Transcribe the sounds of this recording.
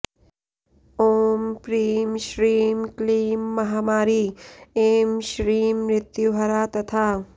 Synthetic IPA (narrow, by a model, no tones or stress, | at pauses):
oːmpɾiːmʃɾiːmkliːmːɐɦaːmaːɾiːeːmʃɾiːmɾɪt̪juɦɐɾaːt̪ɐt̪ʰaː